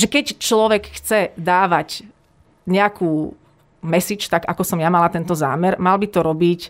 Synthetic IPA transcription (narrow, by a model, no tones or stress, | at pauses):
ʒɛkɛct͡ʃlɔʋɛkxt͡sɛd̪aːʋac | ɲɛakuː | mɛsit͡ʃt̪aɡa̰kɔsɔmjamalat̪ɛnt̪ɔza̰ːmɛɾmalbit̪ɔɾɔbic